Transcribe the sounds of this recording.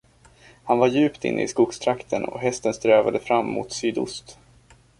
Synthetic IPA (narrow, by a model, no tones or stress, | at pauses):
hanvaɾjʉ̟ːpt̪ɪ̰nːə̰ɪskʊkst̪ʰɾakt̪ʰənɔ̰ɦɛst̪ənst̪ɾøːvad̪əfɾamːṵt̪syːd̪ʊ̰st̪